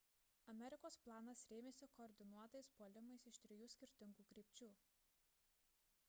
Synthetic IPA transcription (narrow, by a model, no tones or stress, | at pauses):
ɐmʲɛɾʲɪkoːsplˠɑːnɐsɾʲeːmʲeːsʲɪkɔːɾʲd̪ʲɪnuɔt̪ɐɪspoːlʲɪmɐɪsɪʃt̪ʲɾʲɪjuːsʲkʲɪɾʲt̪ʲɪŋɡuːkɾʲiːpʲt͡ʃʲuː